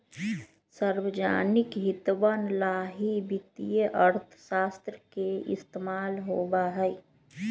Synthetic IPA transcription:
səɾwəd͡ʒa̰ːnɪkɦɪt̪ʋənlaːɦibɪt̪ijəʔəɾt̪ʰʃaːst̪ɾəkeɪ̰st̪emaːlɦobaɦɛj

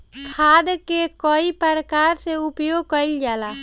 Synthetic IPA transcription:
kʰaːd̪kekɔipəɾəkaːɾseʊpjoːɡ̚kəɪld͡ʒaːla

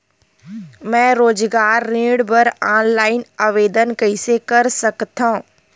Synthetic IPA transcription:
mɛ̃ːɾoːd͡ʒɡaːɾːẽːɽbəɾaːnlaːɪnaʋeːd̪ənkɐɪsekɐɾsɐkt̪ã

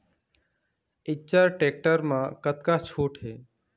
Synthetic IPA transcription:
ɪt͡ʃəɾʈeːk̚ʈəɾmãkət̪kat͡ʃʰuːʈɦeː

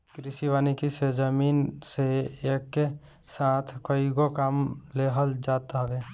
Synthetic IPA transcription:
kɾɪsiʋaːnikised͡ʒəmiːnseeːkːe | saːt̪ʰkoiɡokaːmleɦəld͡ʒaːt̪ɦəʋeː

